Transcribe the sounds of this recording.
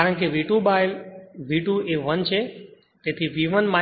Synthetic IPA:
aɾəɽkeʋiʈũɓajʋiʈũeʋənt͡ʃʰe | t̪ẽt̪ʰiʋiːʋənmãː

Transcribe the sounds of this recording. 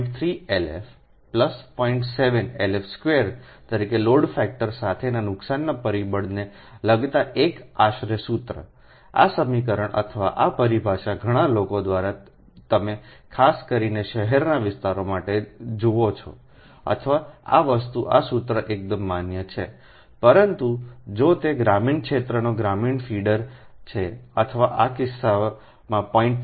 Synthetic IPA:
ʈt̪ʰɾielḛf | pləspɔiɳʈseʋənelefskʋeɾ | t̪əɾikeloɽfɛk̚ʈəɾsat̪ʰenanʊksanːapəɾibəɽne | ləɡt̪aʔekaʃɾəsut̪ɾə̰ | a̰səmikəɾəɽ̃ʔə̰t̪ʰəʋaʔapəɾibʱaʃaɡʱəɽ̃alokod̪ʋaɾa | t̪əmekʰaskəɾineʃəɦɛɾnaʋɪst̪aɾomaʈed͡ʒoot͡ʃʰo̰ | ə̰t̪ʰəʋaa̰ʋəst̪uʔa̰sut̪ɾəʔek̚d̪əmːanjət͡ʃʰe | pəɾənt̪ud͡ʒot̪eɡɾamiɳkʃet̪ɾənoɡɾamiɳfʰiɖəɾt͡ʃʰeət̪ʰəʋaʔakɪsːa | mãpɔiɳʈ

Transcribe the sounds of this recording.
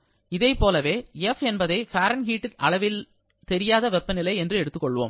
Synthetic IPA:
ɪðɐɪpːoːlɐʋeːɛfɛnbɐðɐɪfaːɾɐnɦiːʈːɪɐɭɐʋɪl | t̪ɛɾɪjaːðɐʋɛpːɐnɪlɐɪɛndrɯɛɽɯt̪ːɯkːɔɭːʋo̰ːm

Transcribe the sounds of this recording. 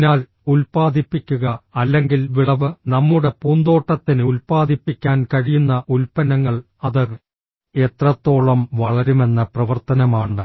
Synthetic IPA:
naːl | ulpaːd̪ʱipːikʲːuɣɐɐlːe̞ŋɡilʋiɭɐʋɨnɐmːuɽe̞puːnd̪o̞ːʈːɐt̪ːinɨulpaːd̪ʱipːikʲːaːnkɐɻijunːɐʔulpɐnɐŋːɐɭ | ɐðɐr | e̞t̪rɐt̪ːo̞ːɭɐmʋɐɭɐɾume̞nːɐprɐʋɐrt̪ɐnɐmaːɳːɨ

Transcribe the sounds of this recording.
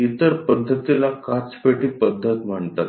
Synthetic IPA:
it̪əɾpəd̪ʱːət̪ilakat͡speʈipəd̪ʱːət̪m̤əɳt̪at̪

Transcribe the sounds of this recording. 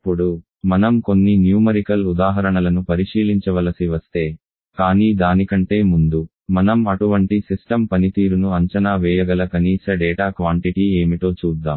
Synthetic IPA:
ɐpːuɽu | mɐnɐmko̞nːinjuːmɐɾikɐlud̪aːɦɐɾɐɳɐlɐnupɐɾiʂiːliɲt͡ʃɐʋɐlɐsiʋɐst̪e̞ː | kaːniːd̪aːnikɐɳʈe̞ːmund̪u | mɐnɐmɐʈuʋɐɳʈisisʈɐmpɐnit̪iːɾunuɐɲt͡ʃɐnaːʋɛːjɐɡɐlɐkɐniːsɐɖɛːʈaːkʋaːɳʈiʈie̞ːmiʈo̞ːt͡ʃuːd̪ːaːmm

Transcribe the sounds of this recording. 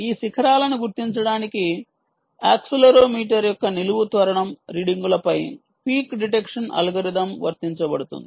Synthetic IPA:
iːʃikʰɐɾaːlɐnuɡuɾt̪iɲt͡ʃɐɽaːniki | a̰ːksulɐɾoːmiːʈɐɾjɔkːɐniluʋut̪ʋɐɾɐɳɐmɾiːɽiŋɡulɐpɐj | piːkɖiʈ̬ekʂɐnʔɐ̰lɐɡɐɾid̪ɐmʋɐ̰ɾt̪iɲt͡ʃɐbɐɽut̪ṵnd̪i

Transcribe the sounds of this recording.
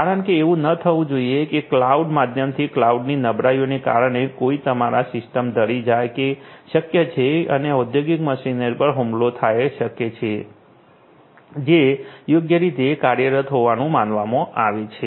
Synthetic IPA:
kaɾəɳkeːʋũnət̪ʰəʋũd͡ʒoiekeklauɖmad̪ʱjəmt̪ʰiklauɖninəbɾajoneka̰ɾəɳekoit̪əmaɾasɪsʈəmd̪ʱəɽid͡ʒajkeʃəkjət͡ʃʰeə̰neud̪joɡikməʃinəɾpəɾɦumlot̪ʰajʃəket͡ʃʰe | d͡ʒejoɡjəɾit̪ekaɾjəɾət̪ɦoʋanũmanʋamõʔaʋet͡ʃʰe

